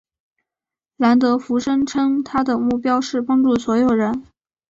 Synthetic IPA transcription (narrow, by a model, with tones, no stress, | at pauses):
la˧˥nt̪̬ɤ˧˥fu˧˥ʂɤ˥ŋʈ͡ʂʰɤ˥ŋt̪ʰa˥d̪ə˨mu˥˩pjɑ˥ʊʂɻ̩˥˩pɑ˥ŋʈ͡ʂu˥˩swɔ˧˥jo˨˩ʊɻə˧˥n